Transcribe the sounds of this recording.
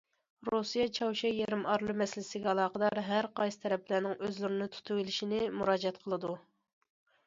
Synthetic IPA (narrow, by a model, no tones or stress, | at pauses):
ɾusijɛt͡ʃʰɑwʃɛjɛɾɪmɑɾlˠɨmɛsɪlɪsɪɡʲɛɑlˠɑːqəd̪ɑɾɦæɾqɑjsɨ̥t̪ʰɛɾɛplæɾnɪŋøzlyɾɪnɪt̪ʰu̥t̪ʰuilɪʃinɪmuɾɑːd͡ʒɛt̪̚qʰəlˠɨd̪u